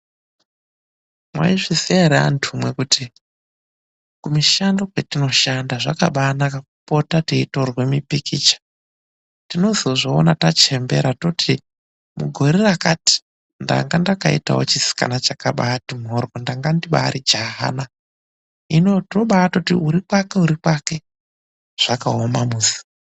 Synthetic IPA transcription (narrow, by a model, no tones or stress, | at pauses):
mwa̰iʐiseeɾea̰ntʰumwe̞kuti | kumiʃandokwetino̞ʃandaʐaka̰ɓanakaupotateitorwe̞mipikit͡ʃḁ | tino̞zoʐo̰ːnatat͡ʃe̞mbe̞̰ɾatoti | mṵɡʱo̞ɾerakati̥ | nda̰ŋɡandakaḭta̰wot͡ʃisi̥ka̰nat͡ʃakaɓatimɦorwondaŋɡandiɓa̰ːɾid͡ʒaɦa̰na | inotroɓatotḭuɾikwake̞uɾikwake̞ | ʐ̥akaomamuːzi̥